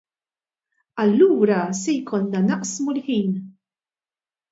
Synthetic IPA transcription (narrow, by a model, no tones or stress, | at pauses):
ɐlːuːɾɐsɛjkʰɔnːɐnɐʔsmulħiːn